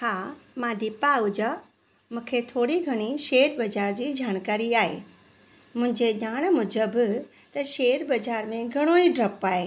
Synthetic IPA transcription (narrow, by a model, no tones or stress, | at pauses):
haːmãd̪ipaʊd͡ʑə | mũːkʰet̪ʰoːɽiɡʱɐɽ̃iʃeːɾbɐd͡ʑaːɾd͡ʑiːd͡ʑaːɽ̃kaːɾiaːɦḛː | mʊ̃ɦɪ̃ɲd͡ʑeʄaːɽ̃mʊd͡ʑəb | t̪ɐʃeːɾbɐd͡ʑaːɾmẽɡʱɐɽ̃oiɖɾɐpaːɦeː